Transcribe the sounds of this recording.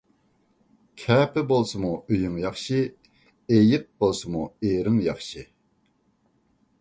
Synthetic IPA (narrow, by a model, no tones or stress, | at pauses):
kʰapəbolsəmoʔyjəŋjaχɕi | ejək̚bolsəmoeɾəŋjaχɕi